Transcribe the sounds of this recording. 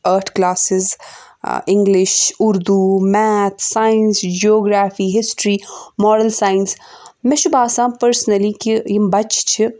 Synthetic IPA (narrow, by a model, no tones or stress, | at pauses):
əːɾʈʰklaːsɪz | ɪ̃ŋɡlɪʃʊɾd̪umɛːt̪ʰsaːjɪnsd͡ʒiɔːɡɾaːfiːɦɪsʈɾiːmɔːɾəlsaːjɪns | mɛ̃ʃʊbaːsãːpəɾsnəlikijibɐt͡ʃt͡ʃʰɪ